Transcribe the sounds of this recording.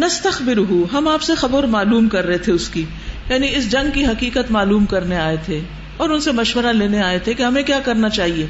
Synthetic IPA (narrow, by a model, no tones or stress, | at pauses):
nɐst̪ɐxbɪɾʊɦuɦɐmaːpsexɐbəɾmaːluːmkɐɾːɐɦet̪ʰeʊski | jaːniɪs̬d͡ʒɐ̃ŋɡ̚kiɦɐkiːkət̪maːluːmkɐɾneaːet̪ʰe | ɔːɾʊnsemɐʃwəɾaleːneaːet̪ʰekeɦɐmẽkjaːkɐɾnat͡ʃaːɦieː